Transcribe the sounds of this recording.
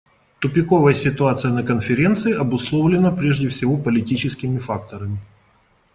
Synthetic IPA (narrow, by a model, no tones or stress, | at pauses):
t̪ʊpʲɪko̞vəjsʲɪt̪ʊat̪sɨjənəkənfʲɪɾʲe̞nt̪sɨɪʔɐbʊslˠovlʲɪnəpɾʲeʐdʲɪfsʲɪvo̞pəlʲɪtʲit͡ɕɪskʲɪmʲɪfak̚t̪əɾəmʲɪ